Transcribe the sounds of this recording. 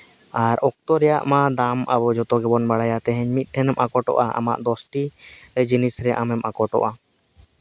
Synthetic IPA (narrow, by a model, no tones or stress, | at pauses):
aɾɔk̚t̪ɔɾɛja̰ʔmad̪amʔabɔd͡ʒɔt̪ɔɡɛbɔnbaɽajat̪ɛɦɛɲmit̪̚ˀʈʰɛnɛmʔakɔʈɔ̰ʔaʔa̰ma̰ʔd̪ɔsʈiɾɛd͡ʒinisɾɛʔamɛmʔakɔʈɔ̰ʔa